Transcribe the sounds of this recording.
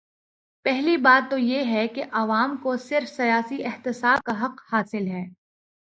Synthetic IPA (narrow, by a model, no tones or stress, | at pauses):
pɛɦlibaːt̪ːojeɦɛkeʔɐʋaːmkosɪɾfsɐjaːsiɪxt̪ɪsaːb̚kaɦɐqhaːsɪlɦɛː